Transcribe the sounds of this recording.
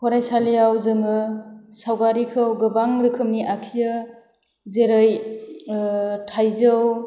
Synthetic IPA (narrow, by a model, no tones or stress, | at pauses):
kʰɔɾajsaljawzɯŋɯsawɡaɾikʰɯwɡɯbaŋɾɯkʰɯmniʔakʰijɯ | zeɾɯj | tʰajzɯw